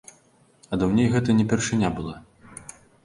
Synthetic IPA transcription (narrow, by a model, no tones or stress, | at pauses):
ɐd̪ɐwnʲejɣɛt̪ɐnʲɛpʲɛrʂɨnʲabɨlˠa